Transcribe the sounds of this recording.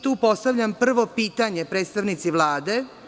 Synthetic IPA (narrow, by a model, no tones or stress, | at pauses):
t̪uːpo̞st̪aʋʎʲampr̩ʋo̞piːt̪aɲepɾeːt̪st̪aʋnit̪siʋlˠaːd̪e̞